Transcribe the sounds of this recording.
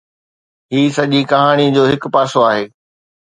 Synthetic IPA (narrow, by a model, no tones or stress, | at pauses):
ɦiːsɐʄikɐɦaːɽ̃id͡ʑoːɦɪkpaːsoaːɦeː